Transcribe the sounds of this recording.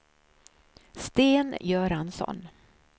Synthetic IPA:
st̪eːnjœːɾansɔ̰n

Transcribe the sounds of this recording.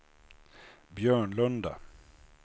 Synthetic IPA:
bjœːɳlɵnd̪a̰

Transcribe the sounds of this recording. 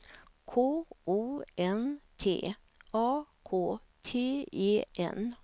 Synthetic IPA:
kʰoːʔuːɛnt̪ʰḛːɑːkʰoː | t̪ʰeːeːʔɛ̰n

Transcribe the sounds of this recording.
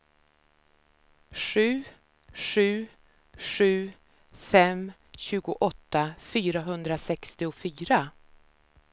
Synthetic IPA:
ʂʉ̟ː | ʂʉ̟ː | ʂʉ̟ː | fɛm | ɕʉ̟ːɡʊʔɔt̪ːafyːɾaɦɵnd̪ɾasɛkst̪ɪʊfyːɾa

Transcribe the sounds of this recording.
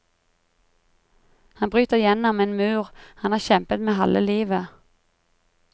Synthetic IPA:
hɑnbʁyːt̪əʁɪjɛnɔmeːnmʉːʁhɑnhɑːʁçɛmpət̪meːɦɑlʔəliːʋə

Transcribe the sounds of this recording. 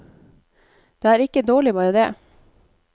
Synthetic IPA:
d̪̥ɛæɾɪkːəd̪oːlɪbɑːɾəd̪ɛ

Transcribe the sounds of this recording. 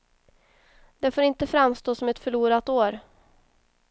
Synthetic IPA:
d̪ɛfoːɾɪnt̪əfɾamst̪oːsɔmɛt̪fœɭuːɾat̪oːɾ

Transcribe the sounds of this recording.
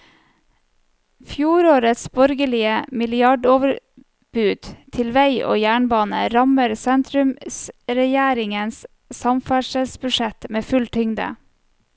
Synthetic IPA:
fjuːɾoːɾət̪sbɔɾɡəlɪəmɪlɪɑɖoːʋəɾ | bʉːd̪̥t̪ʰɪlʋæɪʔo̰ːjæːɳbɑːnə̰ɾɑməɾsɛnt̪ʰɾʉmsɾɛjæːɾɪŋəns | sɑmfæʂəlsbʉʃɛt̪meːfʉlt̪ʰʏŋd̪ə̰

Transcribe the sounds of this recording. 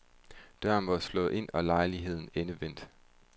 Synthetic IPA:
d̥ɶɐ̰n̩ʋɑ̈slɔ̽ːð̩ˠʔe̝n̰ɒ̽lɑ̈ɪliɦe̝ð̞̰ˠn̩enəʋen̰d̥

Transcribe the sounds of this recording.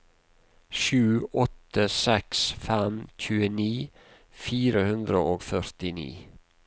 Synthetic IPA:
ʃʉːɔt̪ːəsɛksfɛmc͡çʉːəniː | fiːɾəhʉnd̪ɾəʔoːɡfœɾt̪ɪnḭː

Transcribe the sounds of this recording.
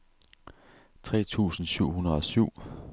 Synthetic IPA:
t͡sʰʁɛ̰ːt͡sʰṵːsn̩syʊ̰ɦunɐðˠɒ̽syʊ̰

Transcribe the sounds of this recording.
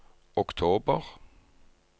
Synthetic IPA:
ɔkt̪ʰoːbəʁ

